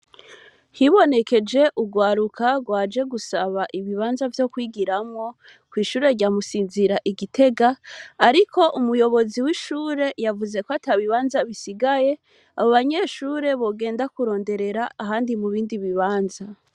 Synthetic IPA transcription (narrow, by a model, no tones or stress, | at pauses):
hiβo̞ne̞ke̞d͡ʒe̞ʔuɡwaːɾukʰaɡwaːd͡ʒe̞ɡusaβaʔiβiβaːnzavjo̞kwiːɡiɾamŋo̞ | kwiːʃuːɾe̞ɾɟaːmusiːnziɾaʔiɡitʰe̞ɡaːɾikʰo̞ʔumujo̞βo̞ziwiʃuːɾe̞javuze̞koatʰaβiβaːnzaβisiɡaje̞ | aβoβaɲe̞ʃuːɾe̞βo̞ɡe̞ːndakuɾo̞ːnde̞ɾe̞ɾaːɦaːndimuβiːndiβiβaːnza